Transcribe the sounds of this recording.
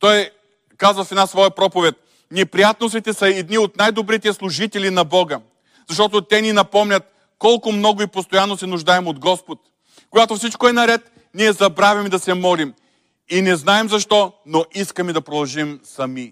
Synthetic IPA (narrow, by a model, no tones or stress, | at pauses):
t̪ɔj | kazvɐfɛd̪asvɔjəpɾɔpovɛt̪̚ | nɛpɾijat̪nost̪it̪ɛsɐɛd̪niot̪najd̪obɾit̪ɛslˠʊʒit̪ɛlinɐbɔɡə | zɐʃ̬t̪ɔt̪ot̪ɛninɐpɔmnʲɐt̪̚ | kɔlˠkʊmnɔɡʊipost̪ojanːosɛnʊʒd̪aɛmod̪ɡɔspot̪ | koɡat̪ofsit͡ʃkoɛnɐɾɛt̪ | niɛzɐbɾavʲɐmid̪ɐsɛmɔlim | inɛznaɛmzɐʃt̪ɔnoʔiskəmid̪ɐpɾod̪ɐlˠʒimsɐmi